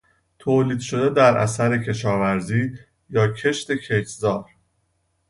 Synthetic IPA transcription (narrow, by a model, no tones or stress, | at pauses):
t̪ʰoːliːd̪ʃo̞d̪ed̪æɾʔæ̰sæɾe̞cʰe̞ʃɒːvæɾziː | jɒːcʰe̞ʃt̪e̞cʰeczɒːɾ